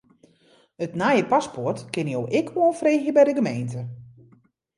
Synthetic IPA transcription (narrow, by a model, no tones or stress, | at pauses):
ətnajəpaspɔrtkɪnjowʔɪkʰʋolˠfreːxjəbɛjdəɡəmejntə